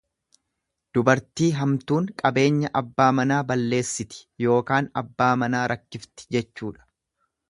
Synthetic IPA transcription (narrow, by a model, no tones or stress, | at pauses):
d̪̥ʊbɐɾt̪iːɦɐmt̪uːŋkʼɐbe̞ːɲːɐʔɐbːaːmɐnaːbɐlːe̞ːsːɪt̪ɪ̥jo̞ːkaːnɐ̰bːaːmɐnaːɾɐkːɪft̪ɪ̥d͡ʒɛt͡ʃːuːᶑɐ̥